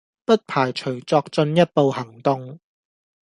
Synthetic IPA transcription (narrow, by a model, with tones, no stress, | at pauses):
pɐ˥t̚pʰaː˨˩jt͡ʃʰɵ˨˩ɥt͡sɔː˧k̚t͡sɵ˧njɐ˥t̚po˨˧whɐ˨˩ŋt̪ʊ˧ŋ